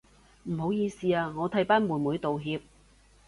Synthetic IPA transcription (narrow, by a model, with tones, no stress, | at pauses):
m̩˨˩ɦo˨˥wjiː˧siː˨˧aː˧ŋɔː˨˧t̪ʰɐ˨˥jpaː˥nmuː˨˩nmuː˨˥jt̪o˨wɦiː˧p̚